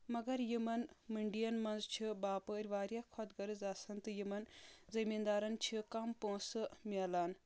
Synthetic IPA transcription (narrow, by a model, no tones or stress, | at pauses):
mɐɡɐɾjimɐnmiɳɖijɐnmɐnzt͡ʃʰibaːpəɾʲʋaːɾjakʰot̪ɡɐɾɨzaːsɐnt̪ɨjimɐnd͡zɐmind̪aːɾɐnt͡ʃʰikampõːsɨmʲɛlaːn